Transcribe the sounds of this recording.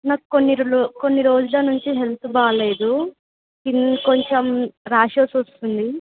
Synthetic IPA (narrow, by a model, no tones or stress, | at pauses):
naːkukonːiɾkonːiɾoːd͡ʒulɐnuɲt͡ʃiɦe̞lt̪ubaːle̞ːd̪u | inko̞ɲt͡ʃemɾaːʂosost̪und̪i